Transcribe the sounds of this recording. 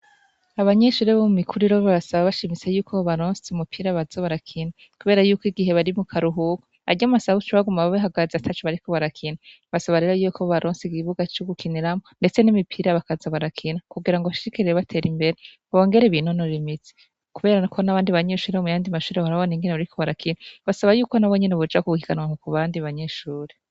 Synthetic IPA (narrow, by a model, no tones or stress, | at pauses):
aβaɲeʃuːɾeβomumikʰuɾiɾoβaβasaβaβaʃimit͡sejuːkʰoβaɾoːnsumupʰiːɾaβazaβaɾakʰina | kuβe̞ːɾajuːkiɡiɦe̞βaɾimukʰaɾuɦuko̥a̰ɟamasaβut͡ʃoβaɡumaβaβeɦaɡazatʰat͡ʃoβaɾikʰo̞βaɾakʰina | βasaβaɾe̞ɾojuokʰoβaɾʔoːnsiɡiβuɡat͡ʃoɡukʰiniɾamo̞nde̞t͡se̞nimipʰiɾaβakazaβaɾakʰinakuɡiɾaŋɡoβaʃi̥ʃikiɾeɾeβatʰe̞ːɾimbe̞ɾe̞ | βo̞ːŋɡe̞ɾeβinonoɾimit͡si̥ | kuβe̞ːɾakʰonaβaːndiβaɲe̞ːʃuːɾeomujaːndimaʃuːɾeaɾaβoniŋɡeneβaɾikʰo̞βaɾakʰinaβasaβajuːko̞naβoɲe̞neβod͡ʒakuɡuhiɡanwaŋokuβaːndiβaɲe̞ːʃuːɾe